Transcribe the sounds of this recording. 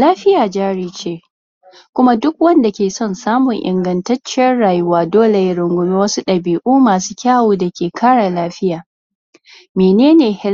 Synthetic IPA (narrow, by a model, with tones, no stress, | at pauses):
laː˦ɸɪ˦jaː˨d͡ʒaː˦ɽiː˦t͡ʃeː˦˨ | kʷʊ˦ma˦dʊ˦k̚wɐ˦nda˨kʲeː˨sɔ˦˨nsaː˦mʊ˨ŋʔɪ̰˨ŋɡɐ˨ntɐ˦t͡ʃːɪ˦jɐ˦nɽaː˨jʊ˦waː˦doː˦le˨jɪ˦ɽʊ˨ŋɡʷʊ˦miː˦wɐ˦su˦ɗɐ˨biː˨ʔuː˦maː˨suː˦kʲaː˦˨woː˨dɐ˨kʲeː˨kʰaː˦ɽa˨laː˦ɸɪ˦jaː˨ | meː˨neː˦neː˨hɪ˦